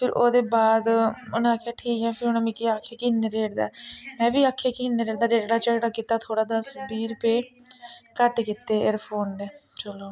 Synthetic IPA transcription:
pʰɪɾoːd̪eːbaːd̪ʊnãaːkʰːjaːʈʰiːkɛ̃ːpʰɪɾʊnãːmɪkiːaːkʰːeːkɪneːɾeːʈd̪a̰ːmɛ̃ːʋiːaːkʰːjaːkɪind̪eːɾeːɽd̪aːɾeːʈɽaːt͡ʃəkɽaːkiːt̪aːt̪ʰoːɽaːd̪aːsəbiːɾpeː | kəʈkiːt̪ːeːeɾpʰoːnd̪eːt͡ʃəloː

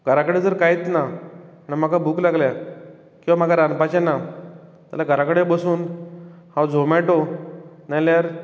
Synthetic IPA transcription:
ɡʱəɾakəɽed͡zəɾkajit̪na | nam̤akabʱuːklaɡlja | kĩw̃ʋam̤aɡaɾanpat͡ɕãna | t̪a̰laɡʱəɾakəɽebəsuːnhãwd͡zʱomɛʈonaljaɾ

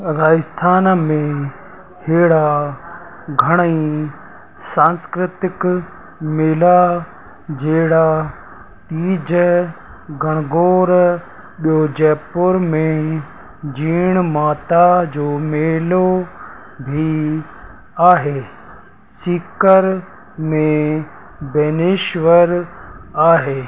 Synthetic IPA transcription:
ɾaːɪst̪ʰaːnmẽ | heːɽa | ɡʱəɽ̃əĩ | sãːnskɾɪt̪ɪk | meːla | d͡ʒeːɽa | t̪iːd͡ʑə | ɡʱəɽ̃ɡoːɾ | ɓijoːd͡ʑɛːpʊɾmẽ | d͡ʑiːɽ̃maːt̪ad͡ʑoːmeːlo | bʱi | aːɦeː | siːkəɾ | mẽ | bɛːneːʃʋəɾaːɦeː

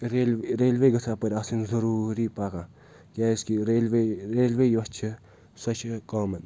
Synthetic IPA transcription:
ɾeːleɾeːlʋeːɡɐsʰaːpɐɾʲaːsinzɐɾuːɾipaːkãː | kaːiskiɾeːlʋeɾeːlʋeːjɐt͡ʃʰɐ | sɐt͡ʃʰkaːmɐn

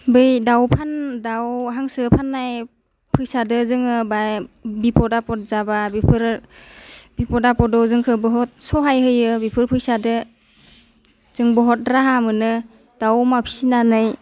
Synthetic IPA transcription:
bɯjdawpʰandawɦaŋsɯpʰanːaj | pʰɯjsadɯzɯŋɯbajbipɔdapɔt̚zababipʰɯɾ | bipɔdapɔdɔwzɯŋkʰɯbɯɦɔt̚sɔɦajɦɯjɯbipʰɯɾpʰɯjsadɯ | z̥ɯŋbɔɦɔt̚ɾaɦamɯnɯ | d̥awmapʰi̥sinanɯj

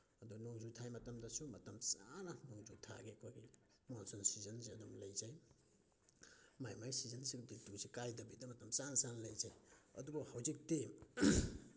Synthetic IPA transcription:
ɐduɡnoŋzutʰajmɐtɐmdɐsumɐtɐmsanɐnoŋzutʰa̰ɡiɐkʰojɡi | monsɔnsizɐnsiɐdumlɐjzaj | majmajsizɐnsiɡditusikajdɐbidɐmɐtɐmsanɐsanɐlɐjzajɐ̰dubɐhawzik̚tem

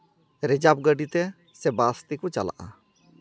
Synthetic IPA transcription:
ɾɛd͡ʒab̚ɡəɖit̪ɛ | sɛbast̪ikɔt͡ʃa̰la̰ʔa̰

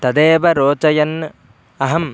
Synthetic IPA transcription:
t̪ɐd̪eːʋɐɾoːt͡ʃɐjɐn | ɐɦɐm

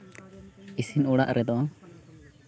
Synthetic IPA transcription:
isinuɽaʔɾʔɛd̪ɔ

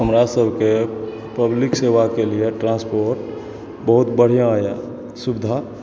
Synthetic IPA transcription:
ɦəmɾasəbʱke | pəbliksewakelieʈɾãnspoɾʈ | bəɦut̪bəɽ̤ijãjã̰ | subd̪ʱa

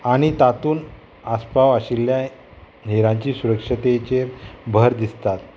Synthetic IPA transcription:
aɽ̃it̪at̪uːn | aspaʋaɕilja | ɦeɾãɲt͡ɕiːsuɾəkʂət̪et͡ɕebʱəɾd̪ist̪at̪

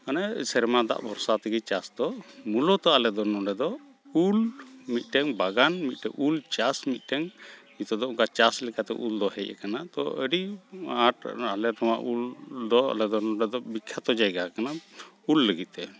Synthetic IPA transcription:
kanasɛɾmad̪a̰ʔbʱɔɾsat̪əɡit͡ʃasd̪ɔmulɔt̪ɔalɛd̪ɔnɔɖɛd̪ɔ | ulmit̪̚ˀʈɛŋbaɡanmit̪̚ˀʈɛʔult͡ʃasmit̪̚ˀʈɛŋ | it̪ɔd̪ɔuŋkat͡ʃaslɛkat̪ɛ̰ʔuld̪ɔhɛ̰cʔɛ̰kanat̪ɔ̰əɖiaʈalɛɾɔwa̰ʔuld̪ɔa̰lɛd̪ɔnɔɖɛd̪ɔbikʰːat̪ɔd͡ʒajɡakana | ulːəɡit̪̚ˀt̪ɛ

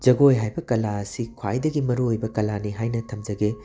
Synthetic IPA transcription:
d͡ʒɐɡojɦajbɐkɐlaɐsikʰwa̰jdɐɡimɐɾuojbɐkɐlaniɦajnɐtʰɐmd͡ʒɐɡe

